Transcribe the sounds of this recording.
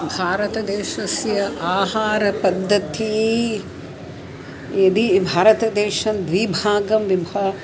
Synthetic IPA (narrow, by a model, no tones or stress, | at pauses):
bʱaːɾɐt̪ɐd̪eːʃɐsjɐʔaːɦaːɾɐpɐd̪ʱːɐt̪i | ɐd̪ibʱaːɾɐt̪ɐd̪eːʃɐnd̪ʋibʱaːɡɐmʋibʱa